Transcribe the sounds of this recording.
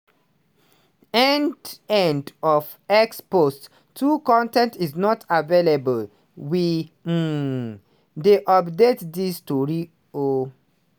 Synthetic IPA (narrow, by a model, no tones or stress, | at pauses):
ɛndɛ̃ndɔf | ɛkspost | tʰːukɔ̃ntɛ̃ntiznɔtʰavelebəl | wi | deʔɔpdetdistuɹi | o